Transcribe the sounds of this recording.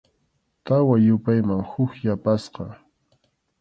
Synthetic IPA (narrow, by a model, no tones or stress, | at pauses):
t̪awajʊpajmaŋhʊkjapasqɑ